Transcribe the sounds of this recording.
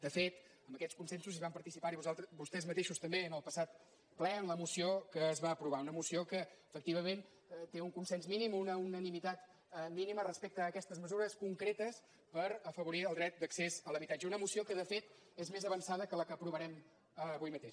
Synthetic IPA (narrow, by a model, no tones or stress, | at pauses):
d̪əfet̪ | əmbəkɛskunsɛnsuziβampəɾt̪isipaɾiβuzalˠt̪əbust̪ɛzmət̪eʃust̪əmbeənəlˠpəsat̪ | plɛənləmusiokəːzβaəpɾuβ̞aunəmusiokəːfəkt̪iβ̞əmẽn | t̪euŋkunsɛnsminimunəunənimit̪at̪ | minimərəspek̚t̪əːkɛst̪əzməzuɾəskuŋkɾet̪əs | pəɾəfəβuɾiəlˠd̪ɾɛt̪̚d̪əksezələβit̪ad͡ʒəunəmusiokəðəfet̪ | ezmezəβənsaðəkələkəːpɾuβəɾɛm | əβujmət̪eʃ